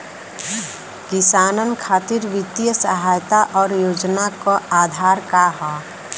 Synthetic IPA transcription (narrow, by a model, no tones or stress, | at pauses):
kɪsaːnənkʰaːt̪ɪɾʋɪt̪ijəsəɦaːjt̪aʔɔːɾjoːd͡ʒnakoaːd̪ʱaːɾkaɦɛː